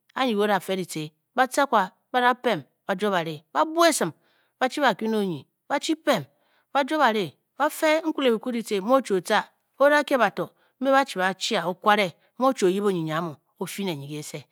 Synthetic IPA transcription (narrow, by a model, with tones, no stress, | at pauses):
a˦ɲi˨ko˦ɾa˨fe˦di˨t͡se˨ | ba˦t͡sa˦kʷa˨ | ba˦ɾa˦pe˦˨m | ba˨d͡ʒo˦ba˨ɾe˨ba˦bu˦e˦sɨ˨m | ba˦t͡ʃi˦βa˨kʷi˦n˦o˦˨ɲi˨ | ba˦t͡ʃi˦pe˦˨m | ba˦d͡ʒo˦βa˨ɾe˨ | ba˦fe˦ŋ̩˦kʷu˦le˨bi˨ku˦di˨te˨mo˦t͡ʃo˨t͡sa˦ | o˦ɾa˦ke˦ba˨to˨ | m̩˦e˦βa˦t͡ʃi˨ba˨t͡ʃi˦a˨o˦kʷa˦ɾe˦ | mo˦t͡ʃo˨ji˦bo˦˨ɲi˨ɲ˨a˨˦mo˨ | o˦fi˦ne˨ɲi˨ke˨˦se˦